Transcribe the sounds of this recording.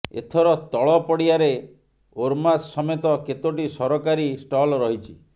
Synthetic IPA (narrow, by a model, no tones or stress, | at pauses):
ḛt̪ʰɔɾɔt̪ɔɭɔpɔɽiaɾe | oɾmasːɔmet̪ɔket̪oʈisɔɾɔkaɾisʈɔlɾɔɦit͡ʃʰi